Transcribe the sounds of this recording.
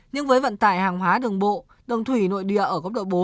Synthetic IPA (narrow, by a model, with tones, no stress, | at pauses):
ɲɨ˧ŋvəː˨˦jvə̰˧˨nt̪a̰ː˧˩jhaː˨˩ŋɦwaː˨˦ɗɨ˨˩əŋɓo̰˧˨ | ɗɨ˨˩wŋ͡mt̪ʰwi˧˩no̰˧˨jɗḭ˧˨əʔəː˧˩kə˦˥wk͡p̚ɗo̰˧˨ɓo˨˦